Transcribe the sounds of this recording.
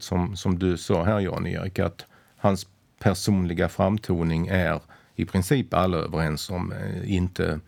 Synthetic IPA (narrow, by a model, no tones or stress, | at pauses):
t̪sɔmsɔmd̪ɵsɑːɦæːɾjɑ̰ːnḛːɾɪka̰t̪ | hans | pʰæʂuːnlɪɡafɾamt̪ʰuːnɪŋæɾ | ɪpʰɾɪnsiːpalːəø̰ːʋəɾɛnsɔmɪnt̪ʰə̰